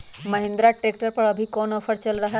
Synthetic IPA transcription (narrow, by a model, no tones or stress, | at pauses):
məɦẽnd̪ɾaʈɾek̚ʈəɾpəɽəbʱikɔnɔfəɾt͡ɕəlɾəɦa